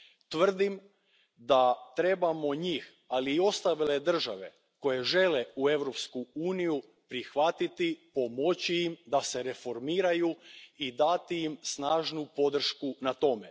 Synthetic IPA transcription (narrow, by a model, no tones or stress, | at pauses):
t̪ʋr̩d̪im | d̪at̪ɾe̞bamo̞ɲiːx | aliːo̞st̪aʋile̞d̪r̩ʒaʋe̞̰ | ko̞je̞ʒe̞le̞ue̞ʋɾo̞pskuuːniju | pɾixʋat̪it̪ipo̞mo̞t͡ɕiimd̪ase̞ɾe̞fo̞ɾmiːɾajuid̪at̪iimsnaːʒnupo̞d̪r̩ʃkunat̪o̞me̞